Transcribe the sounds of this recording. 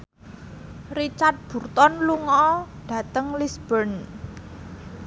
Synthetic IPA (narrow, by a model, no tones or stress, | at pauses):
rit͡ʃart̪̚b̥ṳrt̪ɔnluŋɔɖ̥ä̤t̪əŋlisb̥ən